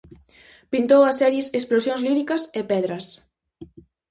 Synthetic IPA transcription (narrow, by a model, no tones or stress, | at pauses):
pint̪owɐsːɛɾjesesplosjoŋzliɾikɐsepɛðɾɐs